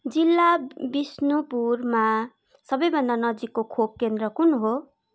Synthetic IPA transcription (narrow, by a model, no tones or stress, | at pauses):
d͡zilːabisnupurma | sʌbʌjbʱʌndanʌd͡zikːokʰob̚kend̪rʌkunɦo